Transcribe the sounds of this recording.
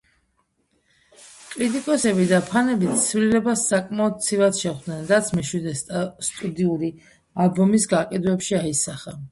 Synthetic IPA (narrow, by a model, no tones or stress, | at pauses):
kʼɾit̪ʼikʼɔsɛbid̪apʰanɛbit̪ʰt̪sʰvlilɛbasːakʼmaɔd̪̚t̪sʰivad̪ʃɛχd̪nɛnɾat̪sʰmɛʃwid̪ɛst̪ʼud̪iuɾi | albɔmisɡaqʼɛd̪vɛpʃiaisaχa